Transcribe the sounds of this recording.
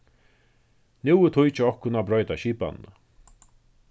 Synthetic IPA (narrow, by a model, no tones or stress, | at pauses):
nuwɪt̪ʰʊjt͡ʃɪɔhkʊnabɾɔjt̪aʃiːpa̰nnːa̰